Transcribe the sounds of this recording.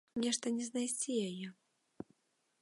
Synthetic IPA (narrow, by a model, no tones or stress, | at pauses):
nʲɛʂt̪ɐnʲɛznajsʲt͡sʲijajɛ